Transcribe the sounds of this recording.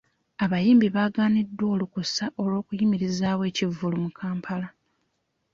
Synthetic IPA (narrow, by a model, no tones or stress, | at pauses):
aβajiːmbiβaːɡaːnidːwo̞ːlukusaʔo̞lwo̞ːkujimiɾizaːwe̞ːcivːulumukʰaːmpʰala